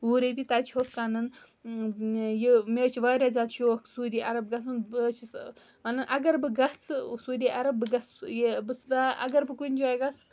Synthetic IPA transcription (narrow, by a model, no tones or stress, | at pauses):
uːɾebʲit̪aːt͡ʃʰiɦokkːaːnɐn | jimʲeːt͡ʃʰiʋaːɾʲaːzaːt̪t͡ʃʰiokʰsuːd̪ʲiːʔɐɾɐbɡɐsunbt͡ʃʰis | mɐnɐnʔɐɡɐɾbɨɡɐt͡sʰɨsuːd̪ʲiːʔɐɾɐbːɨɡɐsjebɨst̪aɐ̰ɡɐɾbɨkunʲd͡ʒoːjɡɐs